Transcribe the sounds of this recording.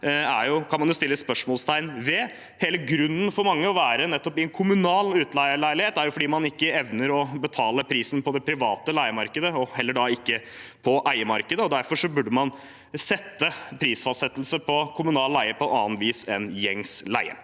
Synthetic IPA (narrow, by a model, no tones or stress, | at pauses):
æɾjʊkʰɑnmɑnjʊst̪ɪlːəspœʂmɔːlst̪ʰæɪnʋɛ | heːləɡɾʉnːən̩fɔɾmɑŋːəɔʋæːɾənɛt̪ːɔpɪɛnkʰʊmʉnɑːlʉːt̪læɪəɭæɪlɪheːt̪æɾjʊfɔɖiːmɑnɪkːəɛʋnəɾɔbət̪ʰɑːləpʰɾiːsənpʰɔd̪ɛpʰɾɪʋɑːt̪əlæɪəmɑɾkəd̪əɔhɛlːəɖɑɪkːə | pʰɔʔæɪəmɑɾkəd̪əɔd̪æɾfɔʂɔbʉɖəmɑn | sɛt̪ːəpʰɾiːsfɑssɛt̪ːəlsəpʰɔkʰʊmʉnɑːllæɪəpʰɔɛnɑːnt̪ʋiːsɛnjɛŋslæ̰ɪə̰